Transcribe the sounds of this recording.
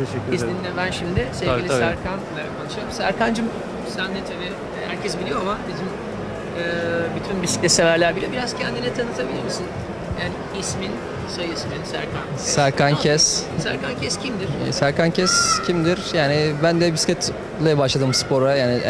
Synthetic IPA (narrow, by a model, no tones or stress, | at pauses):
t̪ʰeʃɛisminːʲɛbænʃimd̪ɪsevilʲisæɾkʰanlʲɛɾakʰanɯʃaɾmsæɾkʰand͡ʒɯm | sænːɛt̪ʰabi | hæ̰ɾcʰɛsbilʲijo̞amabizim | ɯːbyt̪ʰynbisi̥clʲɛsevæɾlʲæɾbilʲɛbiɾaz̥cʰɛnd̪inɛt̪ʰanɯt̪ʰabilʲiɾmisin | jaːni | ismin | sajɯsminsæ̰ɾkʰan | sæɾkʰancʰɛssæɾkancʰɛscʰimd̪iɾ̥sæɾkancʰɛscʰimd̪iɾjaːnɪbænd̪ɛbiskat̪ | lˠajabaʃlˠad̪ɯmspo̞ɾajaːnɪ